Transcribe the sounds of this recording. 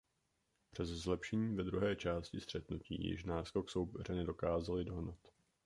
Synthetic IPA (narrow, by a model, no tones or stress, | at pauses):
pr̝̥ɛzzlɛpʃɛɲiːvɛd̪ɾuɦɛːt͡ʃaːscɪst̪r̥ɛt̪nucḭːjɪ̰ʃnaːskokso̞wpɛrɛnɛdo̞kaːzalɪdo̞ɦnat̪